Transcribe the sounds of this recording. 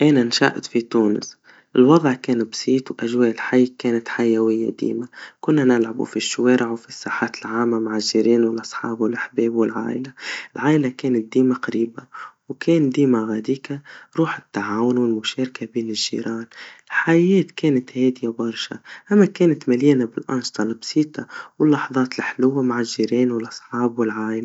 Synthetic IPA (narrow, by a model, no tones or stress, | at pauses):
ʔeːnanʃa̰ʔt̪fit̪uːnɪ̰s | ʔɪlwɑd̪ˤʕkeːnbsˤiːt̪wʔaʒweːʔɪlħajːkeːnat̪ħajːawɪjːa̰d̪ḭːmakʊnːanɪlʕabṵfiʃːʊweːɾʔɪʕwfisːaːħaːt̪ɪlʕaːmːamaʕɪlʒːiːɾiːnwɪlʔɑsˤħɑ̰ːbwɪlʔaħbeːbwɪlʕa̰ːʔɪlaɪlʕaːʔɪlakeːnɪt̪̚d̪iːmaqaɾiːbawkeːnd̪iːmaɣaːd̪iːkaɾˤuːħɪt̪ːaʕaːwʊnwɪlmʊʃeːɾkabiːnɪʒːḭːɾɑːnɪlħajeːt̪keːnat̪heːd̪ɪjabɑɾˤʃa̰ʔamːakeːnat̪maliːnabɪlʔɑ̰nʃt̪ˤɑlbsiːt̪ʰˤɑwɪlːɑħɑðˤɑːt̪ɪlħlʊwːamaʕɪlʒiːɾeːnwɪlʔɑsˤħɑːbwɪlʕaːʔɪla